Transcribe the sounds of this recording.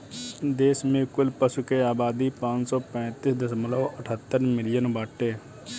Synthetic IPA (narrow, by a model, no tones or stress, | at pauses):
d̪eːsmẽkʊlpəsukeaːbaːd̪ipãːt͡ʃsɔːpɛ̃ːt̪iːsd̪ɪsəməloːəʈʰət̪ːəɾmɪlɪjənbaːʈːeː